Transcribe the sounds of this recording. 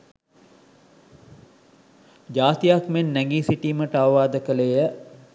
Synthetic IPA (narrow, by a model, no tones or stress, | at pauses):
d͡ʒaːt̪ijakmenːɛɡiːsiʈiːməʈəaʋʋaːd̪əkəlejə